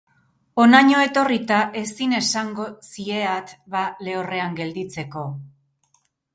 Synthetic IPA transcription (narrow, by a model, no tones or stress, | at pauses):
o̞naɲo̞e̞t̪o̞rit̪aʔe̞sine̞saŋɡo̞sie̞at̪βale̞ore̞aŋɡe̞ld̪it͡se̞ko̞